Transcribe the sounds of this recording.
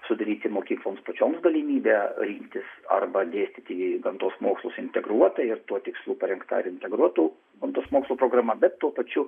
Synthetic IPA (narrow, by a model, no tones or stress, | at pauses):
sʊd̪ɐɾʲiːt̪ʲɪmoːkʲiːklˠoːmspɐt͡ʃʲoːmsɡɐlʲɪmʲiːbʲeːɾʲiŋkt̪ʲɪsɐ̰rbɐd̪ʲeːsʲt̪ʲiːt̪ʲɪɡɐnt̪oːsmoːkslˠosɪnʲt̪ʲɛɡɾuɔt̪ɐɪrt̪uɔt̪ʲɪkslˠuːpɐɾʲɛŋkt̪ɐ̰ɪɾɪnʲt̪ʲɛɡɾuɔt̪uː | ɡɐnt̪oːsmoːkslˠuːpɾoːɡɾɐmɐbʲɛt̪tuɔpɐt͡ʃʲʊ